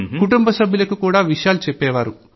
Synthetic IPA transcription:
kuʈumbɐsɐbʱjulɐkukuːɽaːʋiʂɐjaːlut͡ʃɛpːɛːʋaːɾu

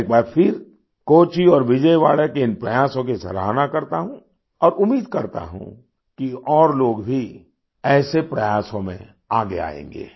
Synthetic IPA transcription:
kmaɛːfʰɪɾ | koːt͡ʃiɔːɾʋɪd͡ʒəjʋa̰ːɭekeɪnpɾɐjaːsõkisɐ̰ɾaːnakɐɾt̪aɦũ | ɔːɾʊmːiːd̪kɐɾt̪a̰ɦṵ̃ | kiɔːɾloːɡbʱi | ɛːsepɾɐjaːsõmḛ̃ | aːɡea̰ːḛ̃ːŋɡḛː

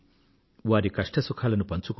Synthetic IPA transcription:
ʋaːɾikɐʂʈɐsukʰaːlɐnupɐnt͡ʃuk

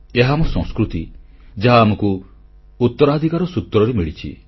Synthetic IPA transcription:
eɦamɔsɔ̃ŋskɾut̪id͡ʒeɦaːmɔku | ut̪ːɔɾad̪ʱikaɾɔsut̪ːɾɔɾemiɭit͡ʃʰḭ

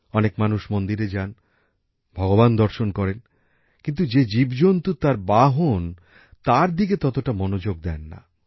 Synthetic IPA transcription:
ɔnekmanuʃmond̪iɾed͡ʑan | bʱɔɡoband̪ɔɾʃonkɔɾen | kint̪ud͡ʑed͡ʑibd͡ʑont̪ut̪aɾbaɦon | t̪aɾd̪iɡet̪ɔt̪oʈamonod͡ʑoɡ̚d̪ɛnːa̰

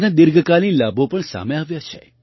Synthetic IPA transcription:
nad̪ɪɾɡəkalinlabʱopəɳsa̰meaʋjat͡ʃʰḛ

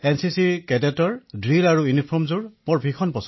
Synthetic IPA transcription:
ɛnsisikɛdɛtɔɹdɹilaɹujunipʰɔmzuɹmɔɹbʱikʰɔnpɔsɔ

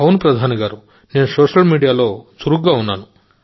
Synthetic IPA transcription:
ɐwnpɾɐd̪ʱaːnɐɡaːɾu | neːnusoːʂɐlmiːɖijaːlo̞ːsuɾuɡɡaːunːaːnu

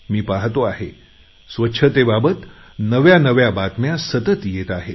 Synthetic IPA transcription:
miːpaɦt̪oaɦe | sʋətːɕʰət̪ebabət̪ | nəʋjanəʋjabat̪mjasət̪ət̪jet̪aɦe

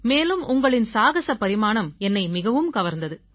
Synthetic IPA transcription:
meːlɯmʊŋɡɐɭɪnsaːɣɐsɐpɐɾɪmaːnɐmɛnːɐɪmɪɣɐʋɯmkɐʋɐɾnd̪ɐðɯ

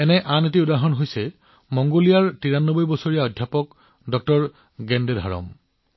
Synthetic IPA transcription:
ɛnɛʔanet̬iʊdaɦɔnɦojsɛ | mɔŋɡolijaɹtiɹanːobɔjbɔsoɹijaɔdʱjapɔk | dɔk̚tɔɹ | ɡɛndedʱa̰ɹɔ̰m

